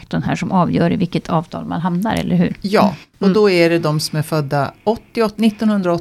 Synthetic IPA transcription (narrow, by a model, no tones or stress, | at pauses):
kt̪ɔnɦæːʂɔmʔɑːvjœːɾɪvɪlkːət̪ʰɑːvt̪ʰɑ̰ːlma̰nɦamnaɾʔɛ̰lːəɾɦʉ̟ːɾjɑ̰ːɔd̪ɔæɖɛd̪ɔmsɔmæɾfœd̪ːaɔt̪ːɪɔnɪt̪ːɔnhɵnd̪ɾaɔ